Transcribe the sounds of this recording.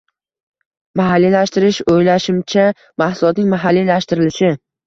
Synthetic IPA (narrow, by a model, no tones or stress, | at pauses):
maɦalːilaʃt̪ɪɾɪʃojlaʃɪmt͡ʃʰa | mahsʊlˠɒt̪nɪŋmaɦalːilaʃt̪ɪɾɪlɪʃɪ